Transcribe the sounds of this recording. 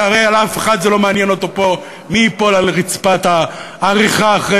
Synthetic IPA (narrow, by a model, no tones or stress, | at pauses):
aʁejalafeχad̪zelo̞meanjeno̞t̪o̞po̞ | miipo̞lalʁit͡spat̪aː | ʁiχaːχʁe